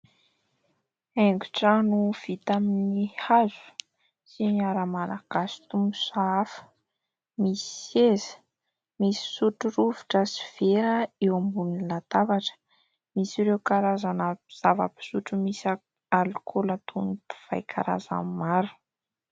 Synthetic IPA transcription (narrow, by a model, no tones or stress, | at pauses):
eŋɡuʈ͡ʂanuv̥it̪aminihazu̥ | sinaɾəmalaɡ̥asi̥t̪umusaafə̥ | misi̥ezi̥ | misi̥suʈ͡ʂuruvuʈ͡ʂəsi̥v̥eɾəewambunilat̪avaʈ͡ʂə̥ | misiɾewkaɾazanəz̥ava̰pi̥suʈ͡ʂumisa | alukʰolat̪ʰunit̪u̥v̥a̰jkʰa̰ɾa̰za̰mmaɾu̥